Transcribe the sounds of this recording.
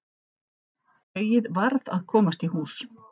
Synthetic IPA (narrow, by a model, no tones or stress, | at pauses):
œːɥjɪðvaɾða̰ðkʰɔːmast̪ihuːs